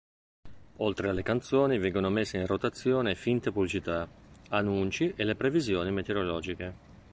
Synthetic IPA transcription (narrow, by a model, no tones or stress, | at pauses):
olt̪ɾealːekant̪soːnivɛŋɡonomesːeinrot̪at̪sːjoːnefint̪epublit͡ʃit̪aanːunt͡ʃiʔelːepɾevizjoːnimet̪eɾolɔːd͡ʒike